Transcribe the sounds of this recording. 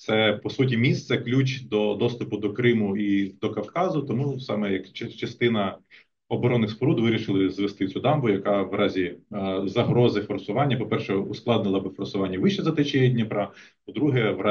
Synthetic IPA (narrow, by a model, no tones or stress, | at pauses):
t̪sɛpɔsutʲimʲist̪sɛklʲut͡ʃʲd̪ɔd̪ɔst̪ʊpʊd̪ɔkɾɪmʊid̪ɔkɐwkɑzʊt̪ɔmusɑmɛjɐkt͡ʃt͡ʃɐst̪ɪnɐ | ɔbɔɾɔnːɪxspɔɾud̪ʋɪɾʲiʃɪlˠɪzʋest̪ɪt͡sʲud̪ɑmbʊjɐkɑʋɾʔɑzʲizɐɦɾɔzɪfɔrsʊʋɑnʲːɐpɔpɛrʃɛʊsklˠɑd̪nɪlˠɐbɪfɔrsʊʋɑnʲːɐʋɪʃɛzɐt̪ɪt͡ʃijɛdʲnʲipɾɑpɔd̪ɾuɦɛʋ